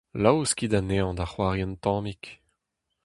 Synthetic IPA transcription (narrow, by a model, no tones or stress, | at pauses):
lawskid̪aneɑ̃d̪aχwaʁjɛnt̪ɑ̃ːmik